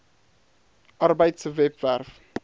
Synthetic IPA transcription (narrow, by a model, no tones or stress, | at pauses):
ʔarbəjtsvɛpværf